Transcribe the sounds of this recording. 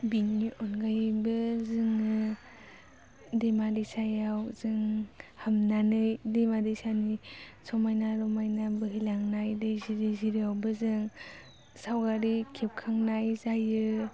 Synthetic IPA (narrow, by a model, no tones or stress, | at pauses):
biniʔɔnɡajbɯzɯŋɯ | demadisajawzɯŋhamnanɯjdemadisanisɔmajnaɾɔmajnabɯɦilaŋnajdɯjziɾiziɾijawbɯzɯŋ | sawɡaɾikʰep̚kʰaŋnajzajɯ